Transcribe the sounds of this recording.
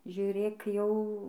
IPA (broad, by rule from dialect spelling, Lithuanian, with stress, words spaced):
ʒʲuːˈrʲeːk jɛʊ